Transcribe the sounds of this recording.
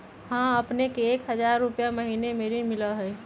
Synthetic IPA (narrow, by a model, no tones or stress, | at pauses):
ɦãəpnekeːkɦəzaːɾːʊpjaməɦiːnemeːɾimɪləɦɛ